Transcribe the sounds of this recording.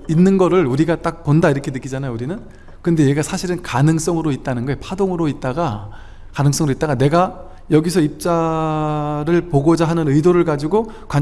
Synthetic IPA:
inːɯnɡʌɾɯɭuɾiɡat͈ak̚pondaiɾʌkʰe̞nɯk͈id͡ʑanajouɾinɯn | kɯnde̞jeɡasʰaɕʰiɾɯnkanɯŋs͈ʌŋɯɾoit̚t͈anɯnɡʌepʰadoŋɯɾoit̚t͈aɡa | kanɯŋs͈ʌŋɯɾoit͈aɡane̞ɡa | jʌɡisʰʌip̚t͡ɕ͈a | ɾɯɭpoɡod͡ʑaɦanɯnɯidoɾɯɭɡad͡ʑiɡo | kwa

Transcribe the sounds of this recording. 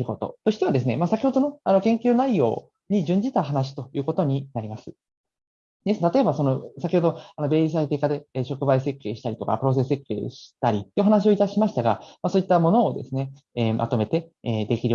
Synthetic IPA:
ɾɯko̞t̪o̞̰t̪oɕi̥t̪e̞β̞ad̪e̞sɨne̞masakʲiho̞d̪o̞no̞ano̞kẽ̞ŋkʲɨːnaijo̞̰ː | ɲ̟id͡ʑɨ̃ɲ̟d͡ʑit̪aɦanaɕ̬i̥t̪o̞jɯ̟ːko̞t̪o̞ɲ̟inaɾʲimasɨ̥ | d̪esɨnet̪at̪o̞ebaso̞no̞sakʲiho̞d̪oano̞be̞ːis̬ait̪e̞ːkad̪e̞ɕo̞kɯ̟baise̞kːe̞ːɕi̥t̪aɾʲit̪o̞̰ka̰pɯɾo̞s̬e̞sɨe̞kːe̞̰ːɕi̥t̪aɾʲit̪ːioɦanaɕ̬io̞it̪aɕimaɕi̥t̪aɡamaso̞ːit̪ːamo̞no̞ːd̪e̞sɨne̞ | eːmʔa̰t̪o̞me̞t̪e̞eːd̪e̞kʲiɾɯ̟

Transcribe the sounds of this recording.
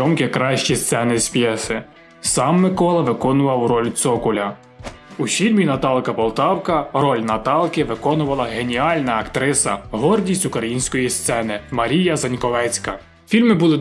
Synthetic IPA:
ɔmkʲɪkɾɑʃt͡ʃist̪sɛnɪsʲpʲjɛsɪ | sɑmːɪkɔlˠɐʋɪkɔnʊʋɐwɾɔlʲt̪sɔkʊlʲɐ | ufʲilʲmʲinɐt̪ɑlˠkɐbɔlˠt̪ɑwkɐɾɔlʲnɐt̪ɑlˠkɪʋɪkɔnʊʋɐlˠɐɦenʲiɑlʲnɐːkt̪ɾɪsɐ̰ɦɔrdʲisʲtʲʊkɾɐjinʲsʲkɔjist̪sɛnɪmɐɾʲijɐzɐnʲkɔʋɛt͡sʲkɐ̰ | fʲilʲmɪbulˠɪ

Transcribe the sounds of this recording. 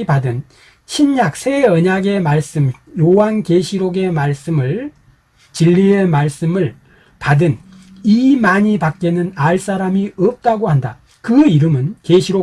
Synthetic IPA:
padɯn | ɕʰinjak̚sʰe̞ʌɲaɡe̞maɭs͈ɯmjoankeɕʰiɾoɡe̞maɭs͈ɯmɯɭ | t͡ɕiʎːie̞maɭs͈ɯmɯɭ | padɯn | imaɲipak̚k͈enɯnaɭs͈aɾamiʌp̚t͈aɡohanda | kɯiɾɯmɯnkeɕʰiɾo

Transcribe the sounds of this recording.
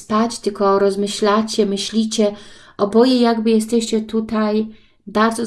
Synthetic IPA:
pat͡ɕt̪ɘlkɔːɾɔzmɘɕlat͡ɕɛmɘɕlʲit͡ɕɛʔɔbɔjɛjaɡbɘjɛst̪ɛɕt͡ɕɛt̪ut̪aj | baɾd̪zɔ

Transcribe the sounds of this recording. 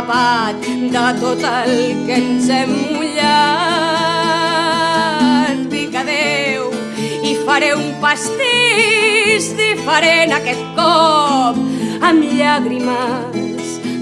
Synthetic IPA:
βat̪ | d̪ət̪ot̪alkensɛmuʎa | d̪ikaðew | ifaɾeumpast̪i | zðifəɾenakɛt̪̚kɔp̚əmʎaɣɾima | s

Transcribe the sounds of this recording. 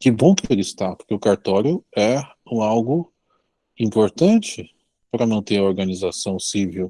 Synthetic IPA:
kɪbõkelɪst̪apoɾkeʊkaɾt̪ɔɾjʊɛ | ũawɡʊ | ĩpoɾt̪ɐ̃t͡ʃɪ | pɾɐmɐ̃t̪eɾɐoɾɡɐnizasɐ̃w̃siviw

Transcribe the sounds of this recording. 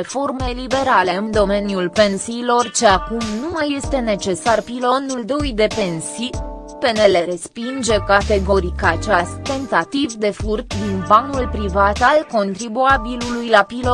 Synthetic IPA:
efo̞rme̞libe̞ɾale̞ɨnd̪o̞me̞njulpe̞nsiːlo̞rt͡ʃe̞akumnumaje̞st̪e̞ne̞t͡ʃe̞sarpilo̞nuld̪o̞jd̪e̞pe̞nsi | pe̞ne̞le̞ɾe̞spind͡ʒe̞kat̪e̞ɡo̞ɾikaːt͡ʃast̪e̞nt̪at̪ivd̪e̞furt̪d̪inbanulpɾivat̪alko̞nt̪ɾibuabilulujlapilo

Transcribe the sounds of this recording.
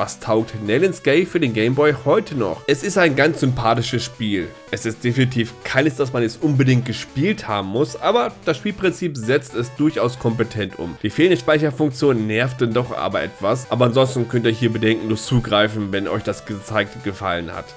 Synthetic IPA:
va̰stʰaʊk̚tnɛlɪnsɡ̥eɪfyːɐdeːnɡeɪmbɔʏhɔʏtʰənɔ̰χʔɛsɪstaɪnɡant͡sz̥ʏmpʰaːtɪʃəsʃpiːlʔɛsɪstd̥efinitʰiːfkʰaɪnəsd̥asmanɛstʔʊnbədɪŋt̚ɡ̥əʃpiːltha̰ːbm̩mʊsʔaːbɐd̥asʃpiːlpʁ̥ɪnt͡siːpzɛt͡stɛsd̥ʊɐçaʊskʰɔmp̬ətʰɛntʰʔʊ̰md̥iːfeːləndəʃpaɪçɐfʊŋkt͡sjoːnnːɛɐftəndɔχʔa̰ːbɐʔɛ̰tv̥asʔaːbɐanzɔnstn̩kʰœntiːɐɦiːɐbədɛŋkŋ̩nuːɐt͡suːɡʁaɪfn̩vɛnʔɔ̰ʏçd̥asɡ̥ət͡saɪk̚tɡ̥əfa̰lənha̰t

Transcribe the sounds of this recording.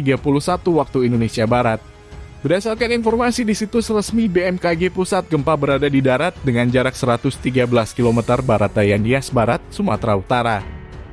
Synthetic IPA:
iɡapuluhsat̪uwak̚t̪uindonesiabaɾat̪̚ | bəɾasalkaninfɔrmasidisit̪usərəsmibeɛmkaɡepusat̪̚ɡəmpabəɾadadidaɾat̪̚dəŋand͡ʒaɾak̚səɾat̪ʊst̪iɡabəlaskilomɛt̪ərbaɾat̪̚dajaniasbaɾat̪̚suma̰t̪ɾaut̪aɾa

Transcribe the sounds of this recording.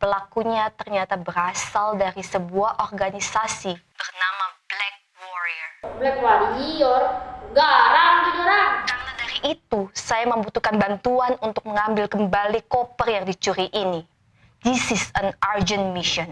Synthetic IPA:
pəlakuɲat̪ərɲat̪abəɾasaldaɾisəbuahʔɔrɡanisasib̥ərnamab̥lɛk̚wɔɾiərblɛk̚waɾiɦiɔɾaɡaɾaŋd͡ʒinəɾakarnadaɾiʔːt̪usajaməmbut̪ukanbant̪uanunt̪ʊk̚məŋambɪlkəmbalikopərjaŋdit͡ʃuɾiʔini | d̪̥isɪsənard͡ʒənmiʃɔn

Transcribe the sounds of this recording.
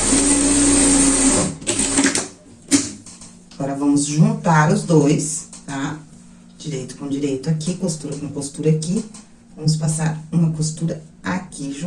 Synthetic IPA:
aɡɔɾɐvɐ̃mʊzʒũnt̪aɾʊzd̪ojst̪a | d͡ʒiɾejt̪ʊ̥kõd͡ʒiɾejt̪ʊakikost̪uɾɐkõkost̪uɾɐaki | vɐ̃mʊs̬pasaɾũmɐkost̪uɾɐ | akiʒũ

